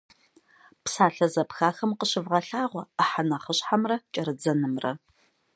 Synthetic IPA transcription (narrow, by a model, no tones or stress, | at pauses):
psaːɬɐzɐpxaːxɐmqəɕɪvʁɐɬaːʁʷɔəħanɐχəɕħamrɐt͡ʃʼɐɾɨd͡zɐnɨmrɐ̰